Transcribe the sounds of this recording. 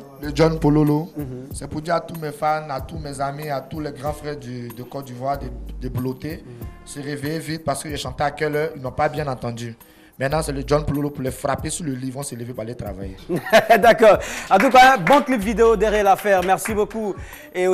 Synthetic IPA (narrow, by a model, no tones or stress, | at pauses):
ləd͡ʒɔnpololosɛpud̪iʁat̪umɛfamat̪umɛzamiat̪ulɛɡʁɑ̃fχɛʁd̪yd̪əkɔd̪ivwaʁd̪ed̪eblot̪esəʁevejevit̪̚paʁsə̥køʒɛʃɑ̃t̪eakɛlɛilnapabjɛ̃nɑ̃t̪ɑ̃d̪y | mɛ̃t̪nɑ̃sɛləd͡ʒɔnpololopuʁlɛfʁapesyləlivɔ̃sələvepualet̪ʁa̰va̰jed̪akɔːʁɑ̃t̪ukaɛ̃bɔ̃klipvid̪eod̪eʁeɛlafɛʁmɛʁsiboku | e